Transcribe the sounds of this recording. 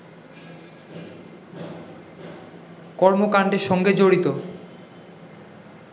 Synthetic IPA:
kɔɾmokaɳɖeɾʃɔŋɡed͡ʑoɽit̪o

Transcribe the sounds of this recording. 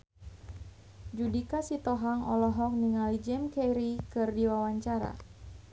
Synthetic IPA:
d͡ʒudikasit̪ɔɦaŋɔlɔɦɔk̚niŋalid͡ʒɛmkɛjɾikɨrdiwawaɲt͡ʃaɾa̰

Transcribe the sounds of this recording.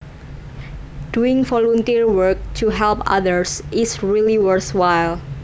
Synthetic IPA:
d̥uɪ̃ŋvɔlɔnt̪iɹwəɹk̚t̪ʰuɦɛlpa̰ðəɹsʔɪsɹiliwəɹθwajl

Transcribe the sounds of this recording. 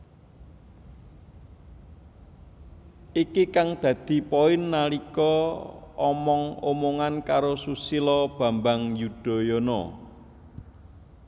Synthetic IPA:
ikikaŋd̪̥ä̤d̪̥i̤pɔɪnːalikɔ | ɔmɔŋomoŋankaɾosusilɔb̥a̤mbaŋjud̪̥ɔ̤jɔnɔ̰

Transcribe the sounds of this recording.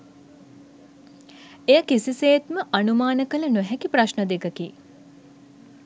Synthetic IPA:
ejəkisiseːt̪məʔanumaːnəkələnoɦɛkipraʃnəd̪ekəki

